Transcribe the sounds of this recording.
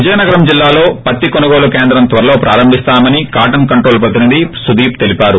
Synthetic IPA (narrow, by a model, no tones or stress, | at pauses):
ʋid͡ʒɐjɐnɐɡɐɾɐmd͡ʒilːaːlo̞ːpɐt̪ːikonɐɡoːlukeːnd̪ɾɐmt̪ʋɐɾɐlo̞ːpɾʔaːɾɐmbʱist̪aːmɐnikaːʈɐnkɐɳʈɾoːlpɾɐt̪̬inind̪isud̪iːp̚t̪elipaːɾu